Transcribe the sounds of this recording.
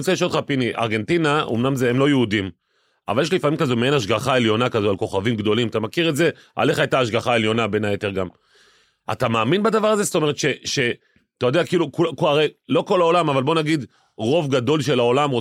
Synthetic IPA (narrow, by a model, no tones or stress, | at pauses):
t͡seliʃodχapiniʔa̰ʁɡe̞ntinao̰mnamzeemlo̞jeudim | a̰valjeʃ̬lifamimkazomeenaʃɡaχae̞ljo̞nakazoalko̞χavimɡd̪o̞limat̪amakiʁetze̞ | ʔa̰le̞χajtaːʃɡaχae̞ljo̞nabe̞najet̪e̞ʁɡam | a̰t̪amaːminbad̪avaʁazest̪o̞me̞ʁet̪ʃe̞ʃe | at̪ajo̞deakiːlukukaʁejlo̞ko̞lao̞lamavalbo̞naɡid̪ | ʁo̞vɡad̪o̞lʃe̞lao̞lamʁo